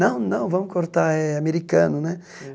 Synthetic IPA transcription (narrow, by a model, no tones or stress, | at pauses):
ɐ̃w̃nɐ̃w̃vɐ̃mʊkoɾt̪aɛameɾikɐ̃nʊnɛ